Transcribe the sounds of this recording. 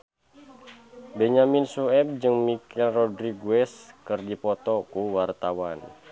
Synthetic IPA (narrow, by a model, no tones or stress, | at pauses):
bɛɲaminsuɛb̚d͡ʒɨŋmikɛlrɔdɾiɡwɛskərdipɔt̪ɔkuwart̪awan